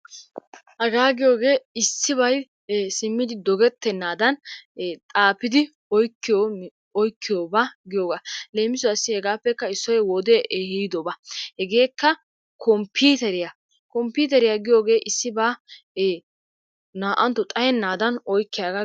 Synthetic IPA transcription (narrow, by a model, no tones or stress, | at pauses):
ʔɐɡaːɡɪjo̞ːɡe̞ːɪsːɪbɐj | sɪmːɪd̪ɪd̪ɔɡɛt̪ːɛnːaːd̪ɐnt̪ʼaːpɪd̪ɪ | ɔjkːɪjo | ɔjkːɪjoːbaɡɪjoːɡaːle̞ːmɪsɔɐsːɪhɛɡaːpːɛkːɐɪsːɔjɛwɔd̪eʔhiːd̪ɔbɐhɛɡe̞ːkːɐ | kʰɔmpiːt̪ɛɾɪja | kɔmpiːt̪ɛɾɪjaɡɪjo̞ːɡe̞ːʔɪsːɪbaː | naːʔɐnt̪ːɔt̪ʼɐjɛnːaːd̪ɐnɔjkːɪjaːɡa